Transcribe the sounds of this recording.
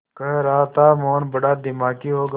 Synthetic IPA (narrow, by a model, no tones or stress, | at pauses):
kɐɦeɾaːt̪aːmoːnbəɽaːd̪ɪmaːkiːɦoːɡ